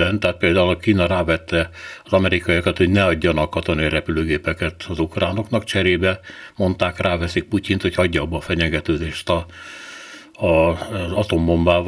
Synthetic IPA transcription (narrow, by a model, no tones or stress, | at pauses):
ɛnt̪aat̪̚peːld̪aːulkiːnɒɾaːvɛt̪ːɛɒzɒmɛɾikɒjɒkɒt̪ho̞ɟnɛɒɟːɒnɒkːɒt̪onijɾɛpyløːɡeːpɛkɛt̪ɒzukraːno̞knɒkt͡ʃɛɾeːbɛmo̞nt̪aːkrʔaːvɛsik̚pucint̪ho̞chɒɟːɒːbːɒːfɛɲɛɡɛt̪øːd̪eːʃt̪ɒ | zɒt̪o̞mːo̞mbaːv